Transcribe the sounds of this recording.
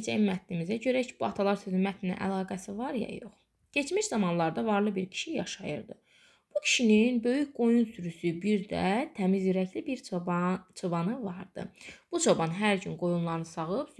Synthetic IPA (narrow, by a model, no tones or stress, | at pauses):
d͡ʒæmmæt̪nimizæɟø̞ɾæcʰi̥b̥uɑt̪ʰɑlˠɑɾsyd̪ymæt̪ʰinæ̰nʔæ̰lˠɑːɡæsivɑɾjɑ̰jo̞̰χ | ɟe̞t͡ʃmiʃzɑmɑnlˠɑɾd̪ɑvɑɾlˠɯbiɾcʰi̥ʃijɑʃɑjɯ̰ɾd̪ɯ | b̥ucʰi̥ʃininbø̞jycɡo̞junsyɾysybiɾd̪æ̰t̪ʰæmizjyɾæclibiɾ | t͡ʃʰobɑnɯvɑɾd̪̥ɯ̰b̥ut͡ʃʰo̞bɑnɦæɾɟynɡo̞junlˠɑɾnɯsɑɣɯps